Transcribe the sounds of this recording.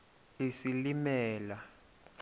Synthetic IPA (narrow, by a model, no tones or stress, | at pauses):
lisilimɛːla